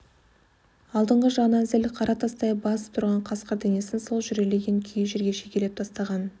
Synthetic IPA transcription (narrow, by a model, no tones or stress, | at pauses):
ɑlˠd̪əɴʁəʒɑnɑzɪlqʰɑɾʔɑt̪ʰɑst̪ɑjbɑsə̥t̪ʰʊɾʁɑɴqʰɑsqəɾd̪ene̞sɪnso̞lˠʒʏɾe̞le̞ɡʲe̞ŋkʲʰʏjʒeɾɡʲe̞ʃekʲele̞p̚t̪ʰɑst̪ɑʁɑn